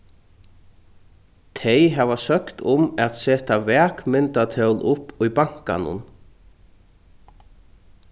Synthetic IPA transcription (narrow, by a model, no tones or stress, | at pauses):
t̪ʰejɦɛːvasœkt̪ʊmɛt̪sɛːt̪avɛːkmɪnt̪at̪ʰœwlʊpːʊjpaŋ̥ka̰nʊ̰n